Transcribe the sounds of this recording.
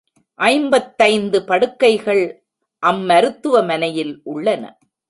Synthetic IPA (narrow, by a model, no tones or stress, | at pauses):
ʔɐɪmbɐt̪ːɐɪnd̪ɯpɐɽɯkːɐɪɣɐɭ | ʔɐmːɐɾɯt̪ːɯʋɐmɐnɐjɪlʔʊɭːɐnɐ̰